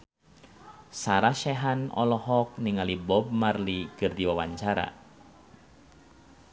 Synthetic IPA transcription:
saɾaʃɛɦanɔ̰lɔɦɔk̚niŋalibɔb̚marlikɨrdiwawaɲt͡ʃaɾa̰

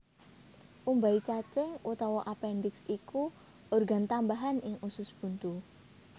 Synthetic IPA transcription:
ʔumbait͡ʃat͡ʃeut̪ɔwɔʔapɛnd̪ɪksiku | ʔorɡa̤nt̪ambaɦanɪŋusʊsb̥ṳnt̪u

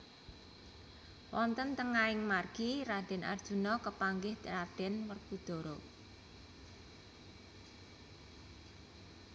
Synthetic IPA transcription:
wʔɔnt̪ənt̪əŋaɪŋmarɡ̥iɾad̪̥ɛ̤nʔa̰rd̥ʒ̥ṳnɔkəpaŋɡɪhrad̪̥ɛnwərɡ̥ud̪̥o̤ɾo

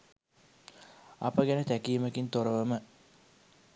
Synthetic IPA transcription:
apəɡænət̪ækiːməkint̪oɾəʋəmə

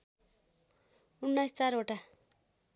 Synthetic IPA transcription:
unːʌjst͡saɾoʈa

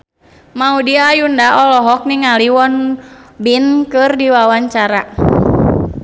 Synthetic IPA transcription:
maudiaːjundaɔlɔɦɔk̚niŋaliwɔnbinkɨrdiwawaɲt͡ʃaɾa

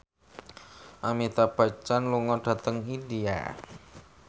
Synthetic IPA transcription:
ʔamit̪ab̥at͡ʃanluŋɔɖ̥a̤t̪əŋidia̰

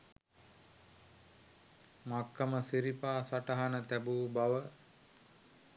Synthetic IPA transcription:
makːəməsiɾipaːsaʈəɦanət̪æbuːbaʋə

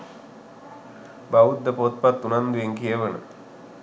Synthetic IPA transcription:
baud̪ːəpot̪̚pat̪ːunand̪ueŋkijəʋənə̰

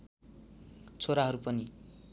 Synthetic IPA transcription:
t͡sʰoɾaɦʌɾupʌni

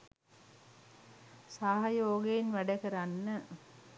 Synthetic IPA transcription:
saɦɐjoːɡeinʋæɖəkəɾanːə

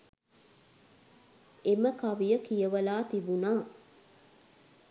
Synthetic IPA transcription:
eməkaʋijəkijəʋəlaːt̪ibunaː

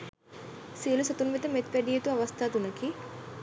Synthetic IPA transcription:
siːlusɐt̪unʋit̪ɐmet̪̚peɖijɐt̪uɐʋɐst̪ʰaːt̪unɐki

